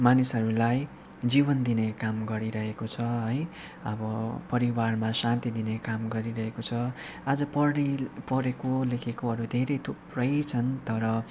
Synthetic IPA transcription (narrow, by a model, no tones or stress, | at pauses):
manisɦʌɾulaj | d͡zibʌnd̪inekamɡʌɾiɾʌɦekot͡sʰʌɦʌj | ʌbʌpʌɾiwarmasãnt̪id̪inekamɡʌɾiɾʌɦekot͡sʰʌ | ad͡zʌpʌrnepʌɾekolekʰekoɦʌɾud̪ʱeɾejt̪ʰuprʌjt͡sʰʌnt̪ʌɾʌ